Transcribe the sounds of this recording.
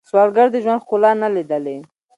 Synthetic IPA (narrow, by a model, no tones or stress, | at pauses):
swɑlɡaɽɾd̪əʒwand̪kolɑnalid̪əle